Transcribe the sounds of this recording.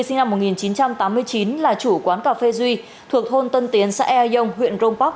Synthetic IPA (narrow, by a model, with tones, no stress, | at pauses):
sï˧ŋna˧mːo˨˩t̚ŋi˨˩nt͡ɕi˨˦nt͡ɕa˧mt̪aː˨˦mːɨ˧əjt͡ɕi˨˦nlaː˨˩t͡ɕu˧˩kwaː˨˦nkaː˧˩fe˧zwi˧ | t̪ʰu˨˩ək̚ho˧nt̪ə˧nt̪i˨˦ənsa̰ː˧˥ʔɛ˧a˧zə˧wŋ͡mɦwḭ˧˨ənzo˧ŋ͡mpɔ˦˥k̚